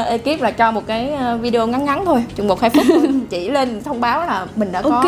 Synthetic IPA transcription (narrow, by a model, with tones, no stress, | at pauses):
ʔe˧ki˦˥p̚laː˨˩t͡ɕɔ˧mo˨˩t̚kaː˨˦jvi˧ɗe˧o˧ŋa˨˦nŋa˨˦nt̪ʰo˧jt͡ɕʊ˨˩ŋ͡mɓo˨˩k̚xaː˧j̚fʊ˦˥k̚t͡ɕḭ˧˩le˧nt̪ʰə˧wŋ͡mɓaː˨˦wlaː˨˩mï˨˩ŋ̟ɗa̰ː˧ʔkɔ˨˦